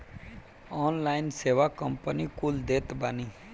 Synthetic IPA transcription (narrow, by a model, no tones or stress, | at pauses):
ɔːnlaːɪnseːʋakə̃mpənikuld̪eːt̪bani